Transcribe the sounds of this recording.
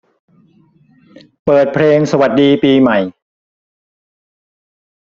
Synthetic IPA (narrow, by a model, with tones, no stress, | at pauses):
pɤː˨˩t̪̚pʰɾeː˧ŋsa˧wa˨˩t̪̚diː˧piː˧ma˨˩j